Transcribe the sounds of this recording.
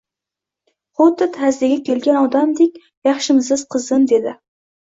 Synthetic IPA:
χot̪ːɪt̪hæzd̪ɪɡʲakʲʰelɡʲanɒd̪amd̪ek̚ʲ | jɑχʃɪmzɪz̥qʰɨzɨnd̪ed̪ɪ

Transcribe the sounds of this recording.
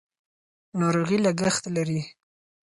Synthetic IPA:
noɾoɣilaɡaxt̪laɾi

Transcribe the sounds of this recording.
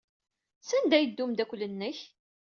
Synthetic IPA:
sænd̪æjəd̪ːumd̪ækʷːlːənːəç

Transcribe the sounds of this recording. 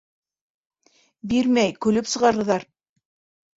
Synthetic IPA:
biɾmæjkɵ̆lɵpsɤ̆ʁɑɾɤ̆ðɑɾ

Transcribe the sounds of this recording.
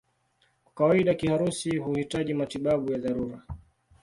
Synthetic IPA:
kawaiɗakihaɾusihuhitaʄimatiɓaɓujaðaɾuɾa

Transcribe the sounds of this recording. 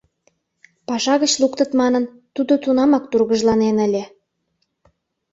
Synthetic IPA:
pɑʃɑɣət͡ɕlukt̪ə̆t̪mɑnən | t̪ud̪ot̪unɑmɑk̚t̪urɣəʒlɑnenəlʲe

